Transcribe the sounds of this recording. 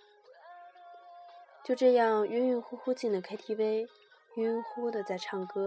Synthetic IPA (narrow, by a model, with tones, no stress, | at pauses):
t͡ɕjo˥˧ʊʈ͡ʂɤ˥˧jɑ˥˩ŋy˥ny˥nxu˥xu˥t͡ɕi˥˩nd̪ə˩kʰa˥ɪt̪ʰi˥pe˥˩ɪ | y˥nxu˥d̪ə˨t͡sa˥˩ɪʈ͡ʂʰɑ˥˩ŋkɤ˥